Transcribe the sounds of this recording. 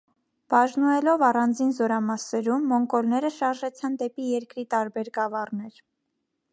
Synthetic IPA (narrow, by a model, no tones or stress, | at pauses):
b̥ɑʒnuɛlɔvɑrɑnd͡zinzɔɾɑmɑsɛɾumːɔŋkɔlnɛɾəʃɑɾʒɛt͡sʰɑnd̪ɛpijɛɾkɾit̪ɑɾbɛɾɡɑvɑrnɛɾ